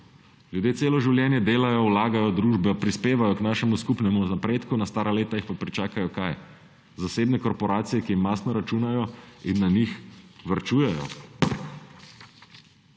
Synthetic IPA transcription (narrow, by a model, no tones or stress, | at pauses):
ljud̪jeːseːlɔʒiwljɛːnjɛd̪eːlajɔwlaːɡajɔd̪ɾuːʒbɛpɾispeːʋajɔknaːʃɛmuskupnɛmuzapɾeːt̪kunast̪aːɾaleːt̪ajixpapɾit͡ʃaːkajɔkaj | zaseːbnɛkɔɾpɔɾaːt̪sijɛkijimːaːsnɔɾat͡ʃunajɔinːanixʋəɾt͡ʃuːjɛjɔ̰